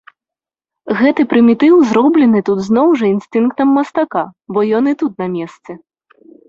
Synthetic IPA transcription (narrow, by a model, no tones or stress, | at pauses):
ɣɛt̪ɨpɾɨmʲit̪ɨwzɾɔblʲɛnɨt̪ud̪znɔwʐɐinst̪ɨnk̚t̪ɐmːɐst̪akabɔjɔnɨt̪ut̪̚nɐmʲɛst̪sɛ